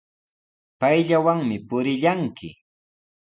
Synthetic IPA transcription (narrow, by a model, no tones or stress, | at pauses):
pajʎawaŋmɪpʊɾɪʎaŋkɪ̰